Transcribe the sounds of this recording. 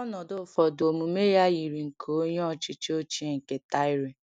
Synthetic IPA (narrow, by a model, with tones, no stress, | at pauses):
ɔ˦nɔ˨dʊ˦fɔ˨do˨mu˨me˦ja˦ji˨ɾi˨ŋ̩˨kʰo˨˦ɲ˦ɔ˦˨t͡ʃi˦t͡ʃo˦t͡ʃi˦e˦˨ŋ̩˨ke˨ta˦i˦ɾe˨